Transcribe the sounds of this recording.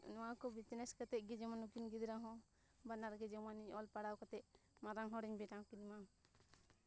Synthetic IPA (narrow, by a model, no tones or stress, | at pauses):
nɔ̃wakɔbit̪nɛskat̪ɛʔ̚ɡɛd͡ʒɛmanukinɡid̪ɾaɦɔ̃ | banaɾɡɛd͡ʒɛmaniɲɔlpaɽawkat̪ɛʔ̚maɾaŋɦɔ̃ɾɛɲbɛʈawkinima